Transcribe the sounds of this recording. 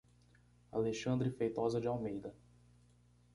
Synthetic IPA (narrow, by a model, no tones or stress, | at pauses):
a̰leʃɐ̃nd̪ɾɪfejt̪ɔzɐd͡ʒɪawmejd̪ɐ